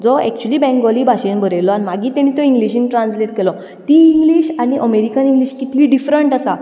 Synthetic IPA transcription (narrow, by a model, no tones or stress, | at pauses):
d͡zɔɛ̰k̚t͡ɕuəliːbɛ̃ŋɡɔlibʱaɕenbʱəɾejlɔanimaɡit̪eñit̪ɔĩŋɡliɕinʈɾãnsleʈkelɔ | t̪iːŋɡliːɕaɽ̃iʔəmeɾikəniŋɡliːɕkit̪liːɖifɾəɳʈasa